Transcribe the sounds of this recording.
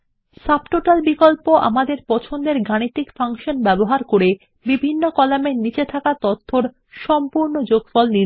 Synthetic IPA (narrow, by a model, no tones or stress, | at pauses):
sab̚ʈoʈalbikolpoʔa̰mad̪eɾpɔt͡ɕʰond̪eɾɡaɽ̃it̪ikfaŋʃonbɛboɦaɾkoɾe | bibʱinːokɔlamenit͡ɕet̪ʰakat̪ot̪ʰːoɾ | ʃɔmpuɾnod͡ʑoɡfɔlni